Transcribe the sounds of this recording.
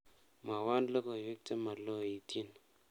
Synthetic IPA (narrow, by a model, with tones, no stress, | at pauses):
ma˨wa˦nlo˦ko˦˨we˦k̚te˦ma˨lo˦˨i˨tji˦n